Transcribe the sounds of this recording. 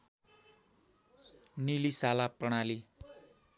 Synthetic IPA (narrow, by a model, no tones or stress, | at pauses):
nilisalaprʌɽ̃ali